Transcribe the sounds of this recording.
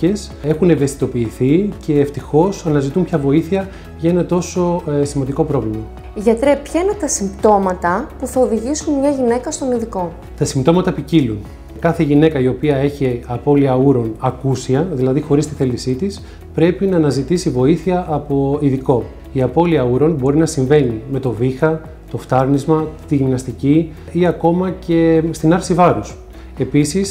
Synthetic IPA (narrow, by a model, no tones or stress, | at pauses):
e̞s | e̞xune̞ve̞st̪i̥t̪o̞piːθice̞ːft̪ixo̞sɐnɐzit̪umpçɐvo̞iθiɐ | ʝɐe̞nɐt̪o̞so̞simɐnd̪iko̞pɾo̞vlimɐ | ʝɐt̪ɾepçɐinet̪ɐsimt̪o̞mɐt̪ɐpuθɐoðiʝisunmɲɐʝine̞kɐst̪o̞niðiko̞ | t̪ɐsimt̪o̞mɐt̪ɐpicilun | kɐθe̞ʝinekɐio̞piɐe̞çiɐpo̞liɐuɾo̞nɐkusiɐðilɐðixo̞ɾist̪i̥θe̞lisit̪is | pɾe̞pinɐːnɐzit̪isivo̞iθiɐʔːpo̞iðiko̞ | iɐpo̞liɐuɾo̞nbo̞ɾinɐsiɱve̞nime̞t̪o̞vixɐ | t̪o̞ft̪ɐɾnizmɐt̪iʝimnɐst̪ici | iɐko̞mɐce̞st̪inɐɾsivɐɾus | e̞pisis